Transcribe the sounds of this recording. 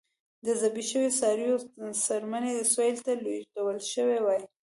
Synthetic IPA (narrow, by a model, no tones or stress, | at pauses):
d̪əzabiʃəwesɑɾijosaɾmaned̪əsojlt̪alot̪awəlʃəwewɑj